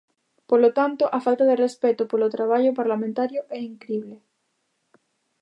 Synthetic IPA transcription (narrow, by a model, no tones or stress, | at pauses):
polot̪ant̪oʔafalt̪aðerespɛt̪opolot̪ɾaβ̞aʎopaɾlamẽnt̪aɾjoʔɛiŋkɾiβle